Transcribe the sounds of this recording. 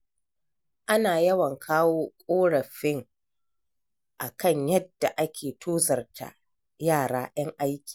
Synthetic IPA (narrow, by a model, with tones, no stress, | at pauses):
ʔa˦naː˨jɐ˦wɐ˨ŋkʰaː˦woː˦kʷʼoː˦ɽɐ˨ɸɪ˦ŋ | ʔa˨kʰɐ˦˨ɲjɐ˦dːa˨ʔa˦kʲeː˨tʰoː˦zɐ˨rta̰˦˨ | jaː˦˨ɽaː˦j̰ɐ˦ŋʔa˦jkʲi̥ː˨